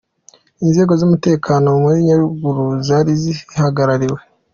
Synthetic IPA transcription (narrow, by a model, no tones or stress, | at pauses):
inze̞ːɡo̞zumute̞ːkʰaːno̞muɾiɲaɾuɡuɾuzaːɾizihaɡaɾaɾiwe̞